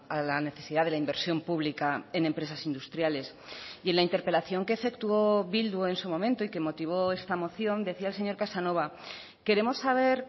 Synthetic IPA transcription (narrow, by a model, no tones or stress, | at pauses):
alane̞θe̞siðaðe̞laimbe̞ɾsjo̞mpuβlikaene̞mpɾe̞sasind̪ust̪ɾjale̞s | je̞nlaint̪e̞ɾpe̞laθjo̞ŋke̞ːfe̞kt̪uo̞βild̪woe̞nsumo̞mẽ̞nt̪oike̞mo̞t̪iβ̞o̞e̞st̪amo̞θjo̞nd̪e̞θiaelse̞ɲo̞ɾkasano̞β̞a | ke̞ɾe̞mo̞sːaβ̞e̞ɾ